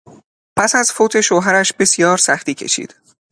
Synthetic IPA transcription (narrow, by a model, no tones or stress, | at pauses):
pʰæsæzfoːt̪ʰe̞ʃoːɦæɾæʃbe̞sjɒːɾsæxt̪iːcʰe̞̰ʃḭːd̪̥